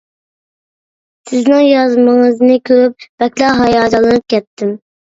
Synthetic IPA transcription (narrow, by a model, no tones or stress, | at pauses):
sɪznɪŋjɑzmɨŋəznɪkʲʰøp̚b̥ɛkʲlɑɦɑjɑːd͡ʒ̪ɑlˠɨnɨp̚kʲʰɛt̪ʰːɪm